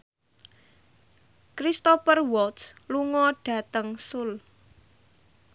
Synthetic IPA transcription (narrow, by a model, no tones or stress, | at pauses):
kɾist̪opərwɔt̪sluŋɔɖ̥ä̤t̪əŋsʊl